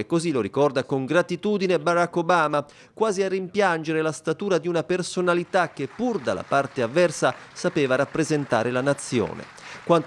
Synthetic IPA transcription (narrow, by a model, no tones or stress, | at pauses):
ekːoziloɾikɔrd̪akoŋɡɾat̪it̪uːd̪inebaɾakːobaːma | kwaːziarːimpjand͡ʒeɾelast̪at̪uːɾad̪iunapersonalit̪ak̟ːepːurd̪a̰lːa̰part̪eavːɛrsasapeːvaɾapːɾezent̪a̰ːɾelanat̪sːjo̰ːnḛ | kwant̪